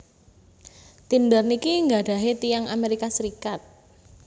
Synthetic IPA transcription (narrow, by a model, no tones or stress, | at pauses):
t̪indərnikiŋɡaɖ̥a̤ɦet̪ijaŋameɾikasəɾikat̪̚